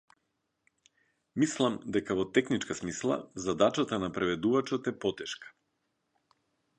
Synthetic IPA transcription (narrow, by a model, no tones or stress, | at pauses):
mislˠamd̪ɛkavɔt̪ɛxnit͡ʃkasmislˠa̰zad̪at͡ʃat̪anapɾɛvɛd̪uvat͡ʃot̪ɛpɔt̪ɛʃkḁ